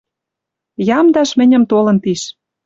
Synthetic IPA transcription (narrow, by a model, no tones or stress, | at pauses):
jɑmd̪ɑʃmɘ̆nʲə̆mt̪olɤ̆nt̪iʃ